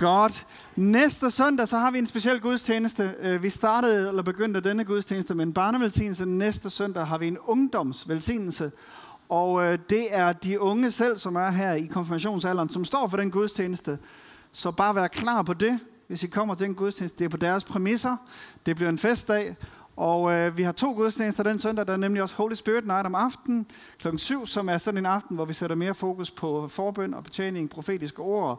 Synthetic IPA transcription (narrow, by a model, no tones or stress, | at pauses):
ɡ̥ɒd̥ | nesd̥əsœn̰d̥æsɒ̽hɑ̈ʋie̝nsb̥e̝siel̰ɡ̥uð̞ˠst͡sʰjeːnəsd̥əʋisd̥ɑ̈ːɾ̥əð̞̩ˠelɐb̥e̝ɡ̥øn̰d̥əd̥enəɡ̥uðˠst͡sʰeːnəsd̥əmenb̥ɑ̈ːnəʋelsḭːnl̩sənesd̥əsœn̰d̥ɛ̰ɦɑ̈ʋie̝nɔ̽ŋd̥ɒ̽m̰sʋelsḭːnl̩sə | ɒ̽d̥e̝æɐd̥iɔ̽ŋəsel̰sɒ̽mæɐɦæɐ̰ikʰɒ̽nfimæɕ̬o̝̰ːnsæl̰ɐnsɒ̽msd̥ɒ̰ːfɒ̽ɾenɡ̥uð̞ˠst͡sʰjeːnəsd̥ə | sɒ̽b̥ɑ̈ːʋæːɐkʰlɑ̰̈ːpʰɒ̽d̥e̝ | ʋe̝sikʰɒ̽m̰ɐt͡sʰe̝d̥enɡ̥uðˠsʰeːn̩sd̥ə̥d̥e̝ɐpʰɒd̥æɐspʰʁɛmisɐd̥e̝b̥liɐe̝nfesd̥ɛ̰ː | ʔɒʋihɑ̈t͡sʰo̝̰ːɡ̥uð̞ˠst͡ɕʰjeːnəsd̥ɐd̥ensœn̰dɛ̰ːdɑ̈æɐnemliɒ̽shoːlisb̥yːd̥nɑ̈ɪɾɒ̽mɑ̈fd̥n̩ | kʰlɒ̽ɡ̥n̩syʊ̰sɒ̽mæɐsɒ̽dn̩enɑ̈fd̥n̩ʋɒʋiseɾɐme̝ːɐfo̝ːkʰuspʰɒ̽fɒːb̥øn̰ɒ̽b̥e̝t͡sʰḛːne̝ŋpʰʁo̝fe̝̰ːd̥isɡ̥əo̝ɐ̰